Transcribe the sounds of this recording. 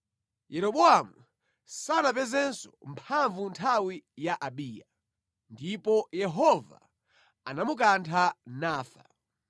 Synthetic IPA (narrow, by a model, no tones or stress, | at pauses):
jɛɾɔɓɔamu | sanap̬ɛzɛnsɔ̥mpʰaɱvuntʰawijaʔaɓiːja | ndipɔjɛɦɔva̰ | anamuk̬antʰanaːfa̰